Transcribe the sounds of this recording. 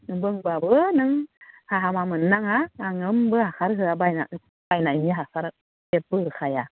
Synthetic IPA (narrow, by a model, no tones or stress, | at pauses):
ɯbɯŋbabɯnɯŋhaɦamamɯnːaŋaːŋɯmbɯhakaɾɦɯabajna̰ | b̥ajnajniɦasaɾ | ɛbɯɯkaja